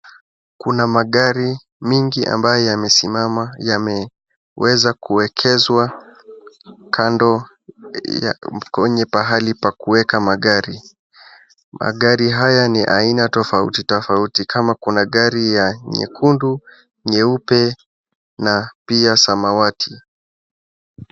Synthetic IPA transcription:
kunamaɠaɾi | miŋɡiʔa̰mbajɔjamɛsimamajamɛ | wɛzakuwɛkʰɛzwa | kʰandɔ | j̰kɛɲɛpaɦalipakuwɛkamaɠaɾi | ma̰ɠaɾiɦajaniʔa̰inatɔfaṵtitɔfautikʰamakunaɠaɾijaɲɛ̰kʰundu | ɲɛupɛ | napiasamawatʰi

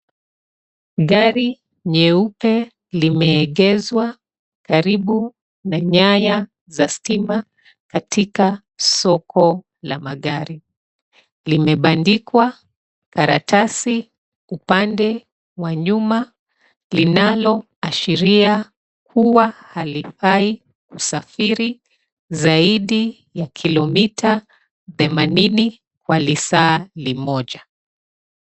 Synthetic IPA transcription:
ɠaɾi | ɲɛupɛ | limɛːɠɛzwa | kaɾiɓu | naɲaja | zastima | katʰika | sɔkɔ | la̰maɠaɾi | limɛɓandikwa | kaɾa̰tasi | upandɛ | waɲuma | linalɔ | aʃiɾia | kʰuwahalifai | kusafiɾi | zaiɗi | jakʰilɔmitʰa | θɛmanini | kwalisaːlimɔʄa

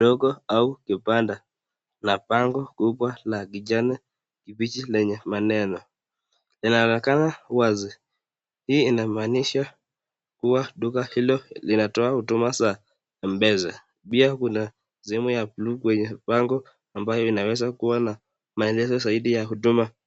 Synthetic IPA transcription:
ɗɔɡɔaukipanda | napaŋɡɔkuɓwalaɡiʄanɛ | kipit͡ʃilɛɲɛmanɛnɔ | linaɔnɛkanawazi | hiːinamaːniʃa | kuwaɗukahilɔlinatɔahutumasa | m̩bɛza | ɓiakuna | ziɛmujaplukwɛɲɛpaŋɡɔ | ambajɔinawɛzakuwana | maɛlɛzɔzaiɗijahuduma

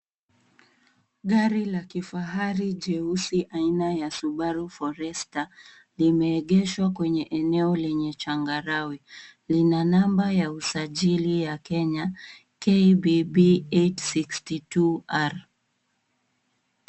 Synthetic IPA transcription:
ɠaɾilakifaɦaɾiʄɛusiʔainajasuɓaɾufɔɾɛsta | limɛːɠɛʃwakwɛɲɛʔɛnɛɔlɛɲɛt͡ʃaŋɡaɾawi | linanambajausaʄilijakɛɲa | kɛibibietsikstituaɾ

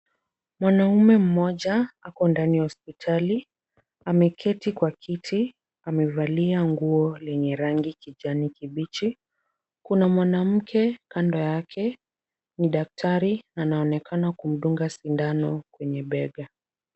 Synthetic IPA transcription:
mwanaumɛm̩mɔʄaakɔndanihɔspitʰali | amɛkʰɛtikwakʰitʰi | amɛvaliaŋɡuɔlɛɲɛɾaŋɡikiʄanikiɓit͡ʃi | kunamwanam̩kʰɛkandɔjakʰɛ | niɗak̚tʰaɾinaːnaɔnɛkʰanakum̩ɗuŋɡasindanɔkwɛɲɛɓɛɠa

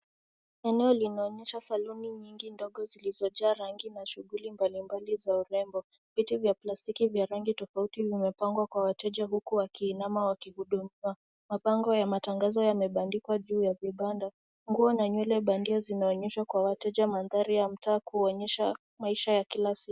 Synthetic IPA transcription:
ɛnɛɔlinaɔɲɛʃasaluniɲiŋɡindɔɠɔzilizɔʄaːɾaŋɡinaʃuɣulimbalimbalizauɾɛmbɔ | vitivjaplastikivjaɾaŋɡitɔfautivimɛpaŋɡwakwawatɛʄaɦukuwakiːnamawakihuɗumiwa | mapaŋɡɔjamataŋɡazɔjamɛɓandikwaʄuːjaviɓanda | ŋɡuɔnaɲwɛlɛɓandiɔzinaɔɲɛʃwakwawatɛʄamanðaɾijam̩taːkuɔɲɛʃa | maiʃajakilasiku

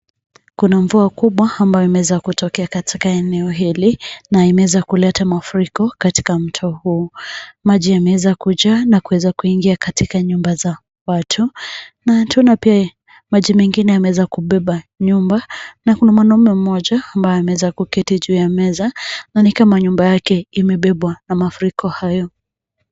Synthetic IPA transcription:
kunaɱvuakuɓwaːmbajɔimɛwɛzakutɔkɛakatʰi̥kaɛnɛɔɦilinaimɛɛzakulɛtamafuɾikɔkati̥kam̩tʰɔhuːmaʄijamɛwɛzakuʄaːnakuwɛzakuiŋɡiakatikaɲumbaza | watʰunatʰunapia | maʄimɛŋɡinɛamɛwɛzakuɓɛɓaɲumbanakunamwanɔmɛm̩mɔʄaːmbajɔamɛwɛzakukitiʄuːjamɛzananikamaɲumbajakɛimɛɓɛɓwanamafuɾikʰɔhajɔ

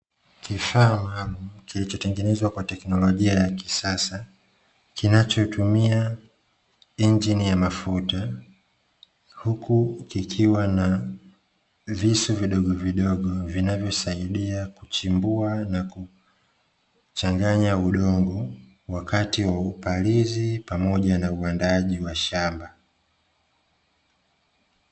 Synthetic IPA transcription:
kifaːmalumkilit͡ʃɔtɛŋɡɛnɛzwakwatɛknɔlɔʄiajaki̥sasa | kinat͡ʃɔtʰumia | iɲd͡ʒinijamafuta | hukukikʰiwana | visuviɗɔɠɔviɗɔɠɔvinavjɔsaiɗiakut͡ʃimbuanaku | t͡ʃaŋɡaɲauɗɔŋɡɔ | wakatiwaupalizipamɔʄanauandaʄiwaʃamba

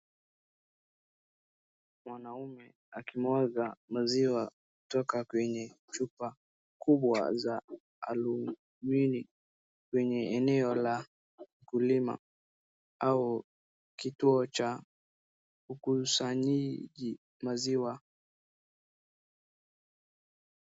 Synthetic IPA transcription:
mwanaumɛ | akimwɔzamaziwakutɔkakwɛɲɛ | t͡ʃupa | kuɓwa̰za | a̰lu | mini | kwɛɲɛɛnɛɔla | kulima̰ | au | kituɔt͡ʃa | ukusaɲiʄi | maziwa

